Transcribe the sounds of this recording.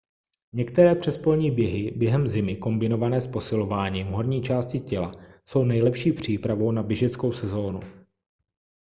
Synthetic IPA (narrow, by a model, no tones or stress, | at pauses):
ɲɛkt̪ɛɾɛːpr̝̥ɛspolɲiːbjɛɦɪbjɛɦɛmzɪmɪko̞mbɪno̞vanɛːspo̞sɪlo̞vaːɲiːmɦo̞ɾɲiːt͡ʃaːscɪcɛla̰so̞wnɛjlɛpʃiːpr̝̥iːpɾavo̞wnabɪʒɛt͡sko̞wsɛzo̞ːnu